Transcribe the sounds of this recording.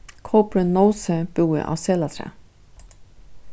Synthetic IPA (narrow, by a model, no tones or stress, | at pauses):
kʰɔːpɾɪnowsɛbuːɪ̰ʔa̰wsɛːlat̪ʰɾɛ̰ː